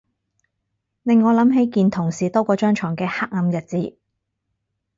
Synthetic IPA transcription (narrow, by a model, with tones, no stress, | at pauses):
lɪ˨ŋːɔː˨˧lɐ˨˥mɦe˨˥jkiː˨˧nt̪ʰʊ˨˩ŋsiː˨t̪ɔː˥kʷɔː˧t͡ʃœː˥ŋt͡ʃʰɔː˨˩ŋkɛː˧haː˥k̚ɐ˨˧mjɐ˨t̚t͡siː˨˥